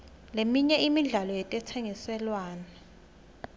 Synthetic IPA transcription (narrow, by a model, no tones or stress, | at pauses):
lemiɲɛʔimiɮalɔjɛtʼɛtʰeŋisɛlwaːna